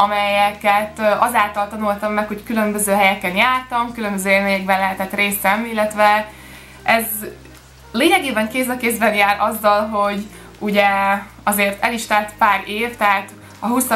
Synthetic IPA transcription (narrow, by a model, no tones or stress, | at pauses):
ɒmɛjɛkɛt̪ɒzaːlt̪ɒlt̪ɒnult̪ɒmːɛkho̞ckylø̞mbøzøːɦɛjɛkɛnjaːrt̪ɒmkylømbøzøːeːlmeːɲɛɡ̚bɛnlɛɦɛt̪ɛt̪reːsɛmilːɛt̪ʋɛ | ʔɛz | leːɲɛɡeːbɛŋkeːzd̪ɒkeːzbɛnjaːɾʔɒzːɒlɦo̞ɟ | uɟɛ | ɒzeːrt̪ɛliʃt̪aːlt̪paːɾeːvt̪ɛɦaːt̪ | ɒɦusɒ